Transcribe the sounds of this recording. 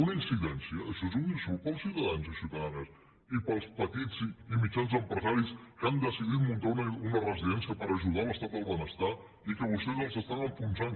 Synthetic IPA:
unəinsiðɛnsiəːʃezund̪isupəlˠsːiuwt̪əðanzisiwt̪əðanəs | ipəlˠspət̪id͡ziimit͡ʃanzəmpɾəzaɾiskand̪əsiðit̪munt̪aunəunərəziðɛnsiəpəɾəʒuðaləst̪at̪̚əlˠβənəst̪a | ikəβust̪ezəlˠsəst̪anəɱfunzan

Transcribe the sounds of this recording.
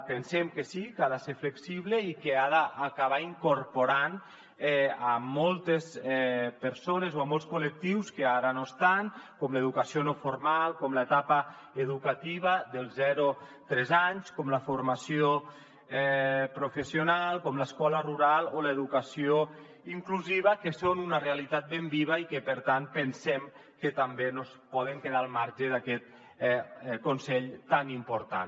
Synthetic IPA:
pensɛmkesikaðaseɾfleksiβleikeaðaʔːkaβ̞aiŋkoɾpoɾan | ɛamɔlˠt̪esɛpəɾsonezoamɔlˠskolek̚t̪iwskeaɾanoest̪aŋkɔmləeðukasionofoɾmalˠkɔmlət̪apa | eðukat̪iβ̞əðəlˠzɛɾot̪ɾɛzaɲskɔmləfoɾmasio | ɛpɾufesionalˠkɔmləskɔləruɾalˠoləeðukasio | iŋkluziβ̞əkəsonunərealit̪at̪̚bembiβ̞əikəpəɾt̪anpənsɛm | kət̪ambenospɔð̞əŋkeðalˠmaɾʒəðakɛt̪̚ | konsɛʎt̪animpuɾt̪a̰n

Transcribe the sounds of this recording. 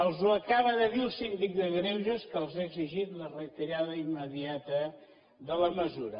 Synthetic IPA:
əlˠzuəkaβəðəðilˠsind̪ik̚d̪əɣɾɛwʒəskəlˠzaəɡziʒit̪lərət̪iɾaðəimmːəðiat̪ə | ðələməzuɾə̰

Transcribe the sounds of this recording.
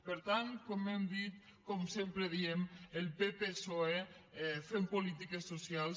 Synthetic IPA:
pəɾt̪ankɔmemd̪it̪̚ | kɔmsempɾeðiemelˠpepesoefempolit̪ikesosjals

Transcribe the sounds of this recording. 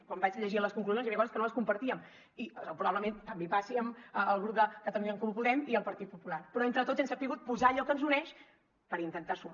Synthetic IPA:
kwambad͡ʒəʎəʒiələskuŋkluzjonzjamekɔzəskənoəskumpəɾt̪iəm | iəpɾuβaβləment̪əmbepasiəməːlˠɣɾup̚d̪əkət̪əluɲəŋkumupuðɛmiəlˠpəɾt̪it̪̚pupulaɾpɾɔent̪ɾət̪otzensapiɣut̪̚puzaəʎɔkənzunɛʃ | pəɾint̪ənt̪asum

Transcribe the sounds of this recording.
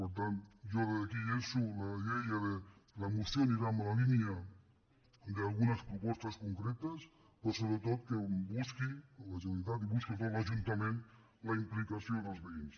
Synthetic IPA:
poɾt̪̬ant̪ʒoðeakiensulalejaðelamusjoniɾamalalinja | d̪ealɣunaspɾupɔst̪askuŋkɾet̪as | pɾosoβɾet̪ot̪̚kebuskiolaʒent̪at̪̬iβuskit̪olaʒunt̪amẽnt̪ | laimplikasjod̪elˠzβeins

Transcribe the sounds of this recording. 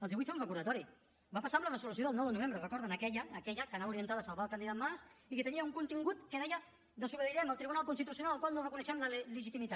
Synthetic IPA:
əlˠzðiβujt̪fomrəkuɾðət̪ɔɾi | bapasamlərəzulus̬joðəlˠnɔwðənuβ̞embɾərəkɔɾðənəkɛʎəːkɛʎəkənauɾiənt̪aðəsalˠβalˠkand̪iðamasikət̪əniəuŋkunt̪iŋɡut̪kənɛʎə | d̪əsuβəðiɾɛməlˠt̪ɾiβunalˠkunst̪it̪usiunalˠəlkwalˠnorakunəʃɛmlələʒit̪imit̪at̪

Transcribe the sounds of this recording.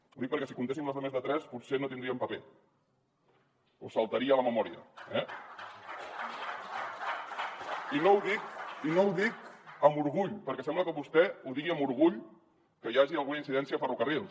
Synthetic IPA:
uðik̚pəɾkɛsikunt̪esimləzðəmezðət̪ɾɛspusenot̪ind̪ɾiəmpəpe | usəlˠt̪əɾiələməmɔɾiə̰ɛ | inowðikinowðikəmbuɾɣuʎpəɾkɛsɛmbləkəβust̪ɛuðiɣiəmuɾɣ̞uʎ | kəjaʒiəlˠɣunainsiðɛnsiəfərukərilˠ

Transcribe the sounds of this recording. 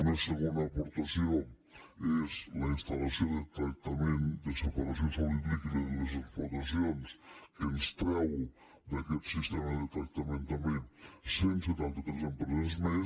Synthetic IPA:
unɐseɣond̪ɐːpoɾt̪asjo | ezlɐinst̪alasjod̪et̪ɾak̚t̪amẽnd̪esepaɾasjonsaliðit̪ikɐzilezekpoɾt̪asjonskest̪ɾawu | d̪aket̪sist̪emɐðet̪ɾɐk̚t̪amẽnt̪amẽnsjẽnt̪set̪ant̪at̪ɾezempɾezezme

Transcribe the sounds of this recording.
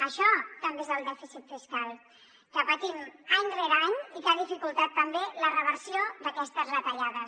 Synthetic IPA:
əʃɔt̪əmbezəlˠd̪ɛfisit̪fiskalˠ | kəpət̪imaɲreɾaɲikaðifikulˠt̪at̪ːəmbelərəβəɾsijod̪əkɛst̪əzrət̪əʎað̞əs

